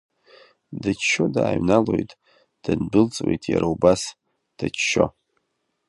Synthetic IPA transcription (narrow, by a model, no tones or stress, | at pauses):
dat͡ʃʃodaːɥnalo̞jtʼ | d̥ɨnbɨlt͡sʼwḛjtʼjaɾaubas | d̥at͡ʃʃo